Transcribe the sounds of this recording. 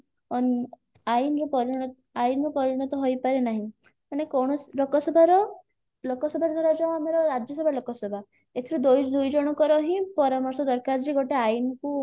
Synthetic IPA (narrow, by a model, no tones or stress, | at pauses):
ɔn | ajnɾɔpɔɾiɽ̃ɔ | ajinɾɔpɔɾiɽ̃ɔt̪ɔɦojpaɾenaɦĩ | manekɔwɳɔslokɔsɔbʱaɾɔ | lokɔsɔbʱaɾd̪ʱaɾad͡ʒaw̃amɔɾɔɾad͡ʒjɔsɔbʱalokɔsɔbʱa | et̪ʰiɾud̪ojd̪ojd͡ʒɔɽ̃ɔkɔɾɔɦĩpɔɾamɔɾsɔd̪ɔɾkaɾd͡ʒiɡoʈeajinku